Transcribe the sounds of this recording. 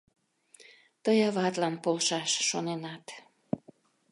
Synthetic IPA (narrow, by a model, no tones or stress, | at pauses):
t̪ɤjɑβɑt̪lɑnpolʃɑʃːonenɑt̪